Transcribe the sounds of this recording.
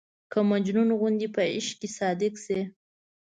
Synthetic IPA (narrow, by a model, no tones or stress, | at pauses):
kəmad͡ʒnunoɣund̪ipəɪ̰ʃkesɑd̪ɪkse